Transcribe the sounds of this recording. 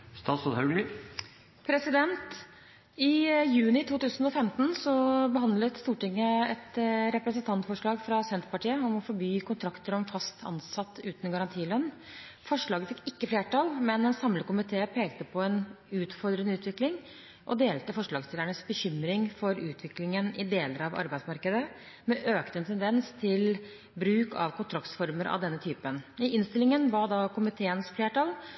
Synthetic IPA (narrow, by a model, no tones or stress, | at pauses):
st̪ɑːt̪sɔt̪hɑɡ̪ | pʰɾɛsɪd̪ɛnt̪ | ɪjʉːnɪt̪ʰuːt̪ʉːsənɔfɛmt̪n̩sɔbəɦɑnd̪lət̪st̪uːʈɪŋːəɛt̪ɾɛpɾəsənt̪ʰɑnt̪fɔʂɭɑːɡfɾɑsɛnt̪əpɑʈiːəɔmɔfɔɾbyːkʰʊnt̪ʰɾɑkt̪əɾɔɛmfɑst̪ʰɑ̰nsɑt̪ːʉːt̪nəɡɑɾɑnt̪ʰiːlœnː | fɔʂɭɑːɡəfɪkːɪkːəfleːʈɑlmɛnɛnsɑmləkʊmɪt̪ʰeːpʰeːɡt̪əpʰɔɛn | ʉːt̪fɔɾd̪ɾənəʉːt̪ʋɪklɪŋ | ʔɔd̪eːlt̪əfɔʂɭɑːɡst̪ɪləɳəsbəçʏmɾɪŋfɔɾʉːt̪ʰʋɪklɪŋənɪd̪eːləɾɑʋɑ̰ɾbæɪd̪smɑɾkəd̪ə | mɛʔøːkt̪əɛnt̪ʰɛnd̪ɛnst̪ʰɪl | bɾʉːkʰɑ̰ʋkʊnt̪ʰɾɑkt̪fɔɾməɾʔɑ̰ʋd̪ɛnːət̪ʰyːpənɪʔɪnst̪ɪlɪŋənʋɑd̪ɑkʊmɪt̪ʰeːənsfleːʈɑl